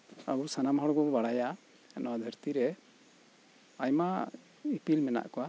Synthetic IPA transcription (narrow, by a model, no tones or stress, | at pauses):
a̰busanamɦɔɽɔɡɔbaɽaja | ɛnɔad̪ʱəɾt̪iɾɛ | ajma | ipilmɛna̰ʔkɔwa